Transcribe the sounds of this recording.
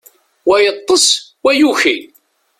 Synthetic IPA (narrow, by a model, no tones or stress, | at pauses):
wæjət̪ˤːəswæjuçi